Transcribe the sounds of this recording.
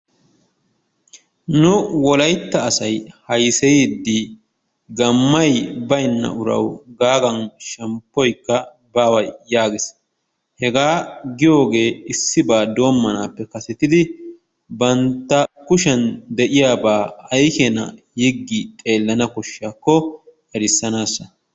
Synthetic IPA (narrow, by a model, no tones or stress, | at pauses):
nʊwɔlɐjt̪ːɐːsɐjhɐjsɛd̪ːi | ɡɐmːɐjbɐjnːɐ̰ʔʊɾɐ̰wɡaːɡɐnʃɛmpːɔjkːɐ | baːwɐjːaːɡɪs | hɛɡaːɡɪjo̞ːɡe̞ːɪsːɪbaːd̪o̞ːmːɐnaːpːɛkɐsɛt̪ɪd̪ɪ | bɐnt̪ːɐkʊʃɛnd̪ɛʔɪjaːbaːɐjkɛnɐ̰ | hɪɡːɪt̪ʼe̞ːlːɐnɐkɔʃːaːkːɔ | ɛɾɪsːɐnaːsːɐ